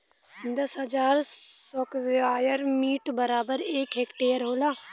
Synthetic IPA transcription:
d̪əsɦəd͡ʒaːɾsɔkʋaːjəɾmiːʈbəɾaːbəɾeːkɦeːkʈeːəɾɦoːlaː

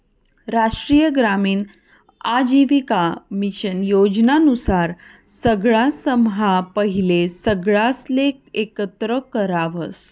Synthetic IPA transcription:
ɾaʂʈɾiːjəɡɾamiːn | ad͡ʑiʋikamiɕənjod͡ʑnanusaɾ | səɡɭasəmɦapəɦilesəɡɭaslek̚ekət̪ɾəkəɾaʋəs

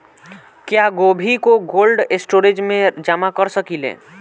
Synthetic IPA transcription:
kjaɡobʱikoɡoːlɖesʈoːɾed͡ʒmẽd͡ʒamakəɾsəkilḛː

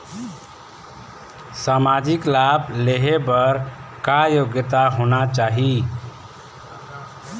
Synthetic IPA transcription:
samad͡ʒiklableɦebəɾkajoɡjət̪aɦonat͡ʃaɦi

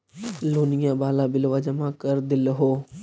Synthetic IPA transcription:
loːnɪjãːbaːlaːbɪlʋaːd͡ʒəmãːkəɾd̪ɪlɦoː

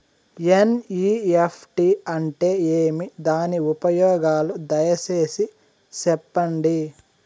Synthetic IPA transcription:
eniːepʰʈiɐɳʈe̞ːeːmid̪aːniupɐjɔːɡaːlud̪ɐjɐt͡ʃeːsi | sɛpːɐɳɖi

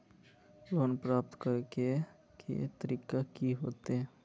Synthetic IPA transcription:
ɾoːnpɾaːp̚t̪kəɾke | kʰḭt̪əɾiːkakiɦoːt̪eɛ̃

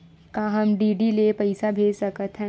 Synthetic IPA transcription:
kaːɦɐmɖiːɖilepɐɪsabʱeːd͡ʒsɐkət̪ʰɦɛ̃

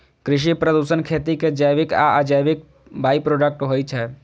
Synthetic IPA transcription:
kɾɪʃ̬ipɾəd̪uːsənkʰeːt̪iked͡ʒəjʋɪka̰ad͡ʒəjbɪk̚ | baːipɾoːɖək̚ʈɦoit͡ʃʰɛ

